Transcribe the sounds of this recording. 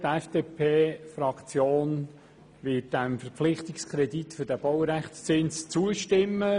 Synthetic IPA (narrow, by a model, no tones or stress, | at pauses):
tɛfd̥eːpʰeːfɾɑkt͡sjoːn | ʋɪt̚d̥æmfəɾpflɪχt̪ɪkskʰɾɛdit̪fʏɾd̥æb̥ɔwɾæχst͡sɪnst͡suəʃtɪmːə